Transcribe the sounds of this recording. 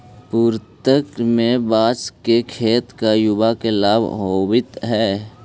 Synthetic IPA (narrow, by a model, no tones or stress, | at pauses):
puːɾt̪əkmẽbaːskekʰeːt̪kajʊbakelaːbɦoːwɪt̪ɦɛː